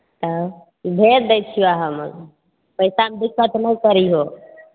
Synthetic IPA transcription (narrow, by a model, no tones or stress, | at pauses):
t̪ə | ibʱeɾd̪et͡ʃʰijuaɦəm | pəjsaɦmed̪ikːət̪nəjkəɾiɦo